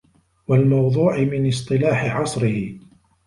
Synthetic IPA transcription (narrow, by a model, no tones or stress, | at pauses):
walmɑwðˤuːʕɪmɪnɪst̪ˤɨlaːħɪʕɑsˤɾɪhɪ